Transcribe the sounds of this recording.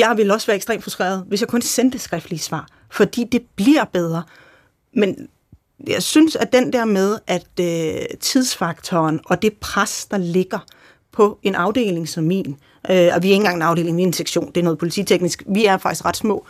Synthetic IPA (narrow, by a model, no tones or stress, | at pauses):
jɑ̈ɪʋe̝lɒ̽sʋæːɐeɡsd̥ʁḛːmfʁusd̥ʁɛ̰ḛːɐð̞ˠʋe̝sjɑ̈ɪkʰɔ̽nsend̥əsɡ̥ʁɛfd̥lisʋɑ̰̈ː | fɒ̽d̥ḭːd̥e̝b̥liɐb̥eð̞ˠʁɐ | men | jɑ̈ɪsynsæd̥end̥ɛɐ̰með̞ˠʔæd̥øt͡sʰið̞ˠsfɑ̈ɡ̥t͡sʰɒːnɒ̽d̥e̝pʰʁasd̥ɑ̈le̝ɡ̥ɐ | pʰɒ̽e̝nʔɑ̈ʊde̝̰ːle̝ŋsɒmmḭːn | ʔøɒʋiæe̝ŋ̩ɡɑ̈ŋenɑ̈ʊɾ̥e̝̰ːle̝ŋʋienseɡ̥ɕo̝̰ːnd̥eɐnɔ̽ːð̩ˠpʰo̝lit͡sʰḭt͡sʰeɡ̥nisɡ̥ʋiæɐfɑɡ̥isɡ̥ʁɑ̈d̥smɔ̰̽ː